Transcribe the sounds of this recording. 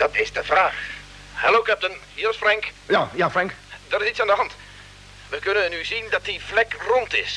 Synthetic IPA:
d̥ɑtɪzdəvraːx | hɛloːkɛp̚tənhiərsfrɛŋk | jajaːfrɛŋkdɔtɪsitsandəɦɑnt | ʋəkɵnənyzindɑt̚diflɛkrɔntɪs

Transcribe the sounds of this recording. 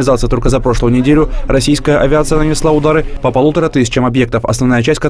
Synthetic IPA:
ɪzat̪sɨjət̪o̞lʲkəzɐpɾo̞ʂlˠəjʊnʲɪdʲelʲʊɾʔɐsʲijskəjəʔɐvʲɪat̪sɨjənənʲɪslˠaʊd̪aɾɨpəpɐlˠut̪əɾət̪ɨsʲɪ̥t͡ɕəmɐbje̞k̚t̪əfɐ̰snɐvnajət͡ɕæsʲtʲkɐ

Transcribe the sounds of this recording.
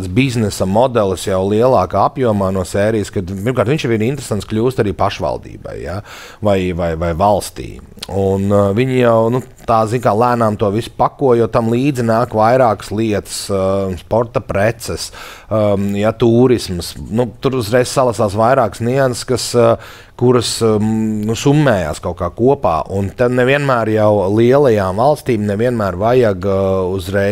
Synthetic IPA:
d̪sbiznɛsamɔd̪ɛlˠsjawlˠiɛlˠɑːkaːapjuɔmaːnuɔsɛːɾijəskad̪piɾmkaɾt̪ʋiɲʃjaʋiɾint̪ɾesant̪skʎʲuːst̪aɾiːpaʃʋa̰lˠd̪ḭːba̰jja | vajvajvajvalˠst̪ḭː | unviɲjawnu | t̪aːziɲkaːlˠæːnaːmt̪uɔʋisu̥pakuɔjɔt̪amlˠiːd̪zinaːkvajɾaːkə̥slˠiɛt̪ə̥sspɔɾt̪apɾɛt̪sɛs | jat̪uːɾismsnut̪uɾuzɾɛjssalˠasaːsʋajɾaːksniɛnskas | kuɾɐsnusumːɛːja̰ːskaʊkaːkuɔpa̰ːʔunt̪ɛnɛviɛnmæːɾjawlˠiɛlˠɐjaːmvalˠst̪iːmnɛviɛnmæːɾvajaɡuzɾɛ

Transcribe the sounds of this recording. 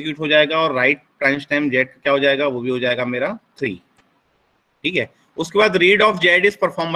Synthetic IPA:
kjuːʈɦod͡ʒaːeːɡaɔːɾːaːɪʈ̚pɾɛ̃ːnt͡ʃʈaɪmd͡ʒɛːʈ̚kkjaːɦoːd͡ʒaːeːɡaʋobʱiɦod͡ʒaːeːɡameːɾat̪ʰɾḭː | ʈʰiːkɦɛː | ʊskebaːd̪ɾiːɖɔːfd͡ʒɛːɖɪspəɾfʰɔːɾmə

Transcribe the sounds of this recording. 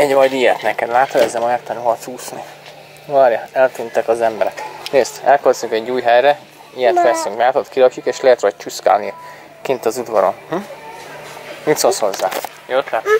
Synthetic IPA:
ɛɟvɒjd̪ijɛt̪nɛkɛd̪laːt̪ɒɾɛzɛmɒjɛrt̪ɛnuɦɒt̪shuːsni | ʋɒɾjɑɛlt̪ynt̪ɛkɒzɛmbɛɾɛkneːst̪ɛlkøt̪zuŋkɛɟuːjɦɛjɾɛ | ijɛt̪fɛsyŋkɲaːt̪ot̪kilɒkjukeːʃlɛɦɛt̪ɾɒc̚t͡ʃuska̰ːlni | kint̪ɒzud̪vɒɾo̞̰nh̩ | mit̪soshozːa̰ː | joːt̪lat̪

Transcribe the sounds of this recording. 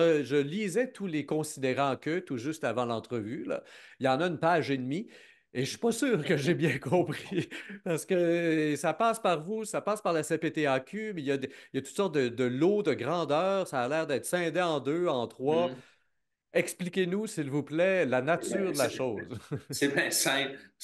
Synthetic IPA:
ʒəlizɛt̪ʰulekɔ̃sid̪eʁɑ̃kʲət̪uʒʏst̪avɑ̃lɑ̃t̪χəvyla̰iljɑ̃naynpaːʒenmi | eʃɥi̥pasyːʁkəʒebjɛ̃kɔ̃ːpχipaʁsə̥kəsapaːspaʁvusapaːspaʁlasepet̪eakʲymɛjad̪eijat̪u̥t̪sɔʁt̪̚d̪əd̪əlod̪əɡʁɑ̃d̪œːʁsaːlɛːʁd̪ɛːt̪χsɛ̃d̪eɑ̃d̪øɑ̃t̪χwa | ɛksplikʲenusilvuplɛlanat̪yːʁd̪əlaʃoːzsebɛ̃sɛ̃

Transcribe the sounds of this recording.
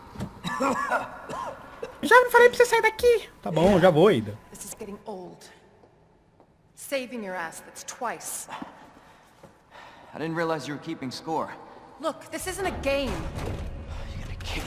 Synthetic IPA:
ʒavnõfalejpɾsisaiɾd̪akit̪abõʒavoaĩd̪ɐðɪsɨzɡɛɾɪ̃ŋoʊlˠd̥ | seɪvɪ̃ŋjə˞æsfɨtstʰw̥aɪs | aɪdɪdⁿn̩t̚ɹiəlˠaɪzjɨwə˞kʰipɪ̃ŋskɔɹlʊkðɪsɪzɨ̃ntɨɡẽɪ̃m | jɡʌnɨkʰi

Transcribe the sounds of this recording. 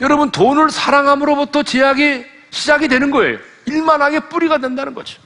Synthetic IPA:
jʌɾʌbɯntonɯɭsʰaɾaŋɦamɯɾobutʰʌt͡ɕeaɡe | ɕʰid͡ʑaɡidwe̞nɯnɡʌe̞̰jo | iɭmanɦaɡe̞p͈uɾiɡadwe̞ndanɯnɡʌ̰d͡ʑi̥

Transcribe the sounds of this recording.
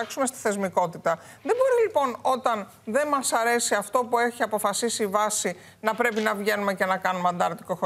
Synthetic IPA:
ɐksumest̪i̥θe̞zmiko̞t̪it̪ɐ | ðe̞bo̞ɾilipo̞no̞t̪ɐn | ðe̞nmɐsɐɾe̞siɐft̪o̞pue̞çiɐpo̞fɐsisiːvɐsi | nɐpɾe̞pinɐvʝe̞nume̞ce̞nɐkɐnumeɐnd̪ɐɾt̪i̥kox

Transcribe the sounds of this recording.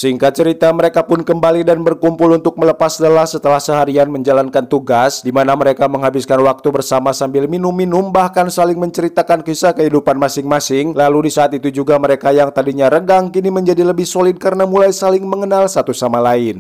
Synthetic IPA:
səɦiŋkat͡ʃəɾit̪aməɾekapʊnkəmbalidanbərkumpʊlunt̪ʊk̚mələpasdəlahsət̪əlahsəɦaɾianməɲd͡ʒalankant̪uɡasdimanaməɾekaməŋɦabɪskanwak̚t̪ubərsamasambɪlminʊmːinʊmbahkansalɪŋməɲt͡ʃəɾit̪akankisakəɦidupanmasɪŋmasɪŋlaludisaːt̪it̪ud͡ʒuɡaməɾekajaŋt̪adiɲaɾəɡaŋkiniməɲd͡ʒadiləbɪhsolɪd̚kaɾnamulajsalɪŋməŋənalsat̪usamalaɪn

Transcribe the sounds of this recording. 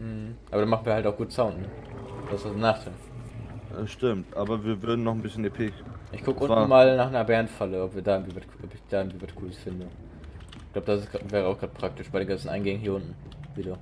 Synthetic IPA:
m̩hm̩ʔaːbɐɾanmaχn̩viːhaltaʊxɡ̥uːtəsaʊntnəd̥aɪsvasdnaːχtʰa̰ | ʃtɪmtʔaːbɐviːɐvʏɐdn̩nːɔχn̩bɪsçənepʰɪkʔɪçɡ̥ʰʊkəʔʊnn̩maːlnaːχnaɐbɛɐnfaləɔpviːɐdaːʏŋtv̥iːvatʰʔɔpɪçd̥aːʏɡŋtviːvaskʰuːləsfɪndə | ɪç̥kɡlaʊbədasɪsɡ̥vɛːʁ̞əaʊxɡ̥ʁaːt̚pʁ̥ak̚tɪʃb̥aɪdeːnŋɡant͡sn̩ʔa̰ɪnɡɛŋənɦiːɐʊntn̩viːduː

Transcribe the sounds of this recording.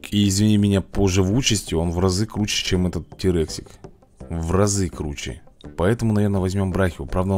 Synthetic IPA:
iːzʲvʲɪnʲimʲɪnʲapoʐɨvut͡ɕɪsʲtʲɪo̞nvrɐzɨkɾut͡ɕːɪ̥t͡ɕemɛt̪ət̪̚tʲɪɾɛksʲɪk | vrɐzɨkɾut͡ɕɪ̰pɐɛt̪əmʊnɐvʲernəvɐzʲmʲo̞mbɾaxʲɪvʊpɾavd̪ə

